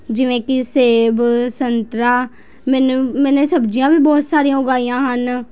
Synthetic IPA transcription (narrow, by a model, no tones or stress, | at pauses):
d͡ʒɪʋẽːkɪseːbsənt̪ɾaː | mɛːnumɛ̃ːnẽːsəbd͡ʒijãːʋiːbɔːt̪saːɾijãːʊɡaːijãːɦən